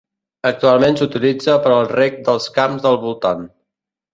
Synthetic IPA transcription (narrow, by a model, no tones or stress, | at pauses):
ək̚t̪ualˠmensut̪ilid͡zəpəɾəlˠrɛk̚d̪əlˠskamzðəlˠβulˠt̪an